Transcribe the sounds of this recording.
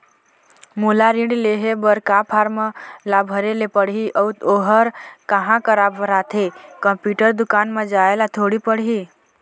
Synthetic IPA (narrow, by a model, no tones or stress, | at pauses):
mulaɾĩɳɖleɦebəɾkapʰaːɾməlabʱəɾelepəɽɦiʔɔut̪oɦəɾkəɦãkəɾabʱəɾat̪ʰekə̃mpjuːʈəɾd̪ʊkaːnmed͡ʒaelat̪ʰoɽipəɽɦi